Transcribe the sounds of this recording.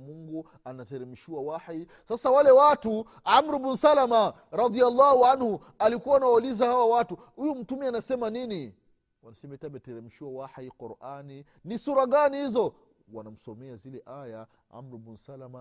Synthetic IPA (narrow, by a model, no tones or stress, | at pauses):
muŋɡu | anatɛɾɛmiʃiwawaħi | sasawalɛwatu | amɾubunsalama | ɾɑdialːahuanhu | alikuwaːnawaulizahawawatu | hujum̩tumianasɛmanini | wanasɛmɛtabɛtɛɾɛmiʃiwawaħiquɾʔani | nisuɾaɠanihizɔ | wanam̩sɔmɛazilɛʔaja | ʕa̰mɾubun̩salama